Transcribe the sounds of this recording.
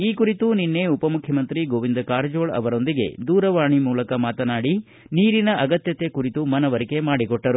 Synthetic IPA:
iːkuɾit̪uninːe̞upɐmukʰjɐmɐnt̪ɾiɡoːʋind̪ɐkaːɾd͡ʒoːɭɐ̰ʋɐɾo̞nd̪iɡe̞̰d̪uːɾɐʋaːɳimuːlɐkɐmaːt̪ɐnaːɽi | niːɾinɐʔɐɡɐt̪jɐt̪ekuɾit̪umɐnɐʋɐɾike̞maːɽikɔʈːɐɾu

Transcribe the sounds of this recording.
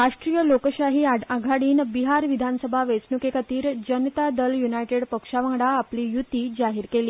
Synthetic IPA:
ɾaʂʈɾijəlokɕaɦiːaɡʱaɽiːnbiɦaɾʋid̪ʱansəbʱaʋesnukekat̪iːɾd͡ʑənt̪ad̪əljunajʈeɽpəkʂaʋãɽaːpliːjut̪ːiːd͡zaɦiɾkeliː

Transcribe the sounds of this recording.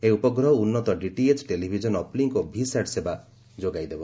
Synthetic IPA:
eupɔɡɾɔɦɔunːɔt̪ɔɖiʈiet͡ʃʈelibʱid͡ʒɔnɔpliŋkɔbʱisaʈseba | d͡ʒoɡajd̪ebɔ

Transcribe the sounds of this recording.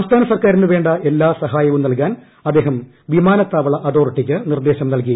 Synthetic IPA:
sɐmst̪ʰaːnɐsɐrkaːɾinɨʋe̞ːɳɖɐʔe̞lːaːsɐɦaːjɐʋumnɐlk̬aːn | ɐd̪ːe̞ːɦɐm | ʋimaːnɐt̪ːaːʋɐɭɐʔɐd̪o̞ːrʈːikʲːɨnird̪e̞ːɕɐmnɐlk̬iɐ

